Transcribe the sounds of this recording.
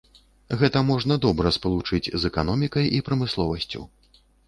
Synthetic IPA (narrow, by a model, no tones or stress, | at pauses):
ɣɛt̪ɐmɔʐnɐd̪ɔbɾɐspɐlˠut͡ʂɨd͡zʲzɛkanɔmʲikɐjipɾɐmɨslˠɔvɐsʲt͡sʲṵ